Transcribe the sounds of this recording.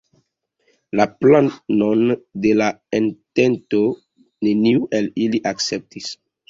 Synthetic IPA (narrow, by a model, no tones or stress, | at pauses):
laplanondelaentento | neniuʔeliliʔaksep̚tis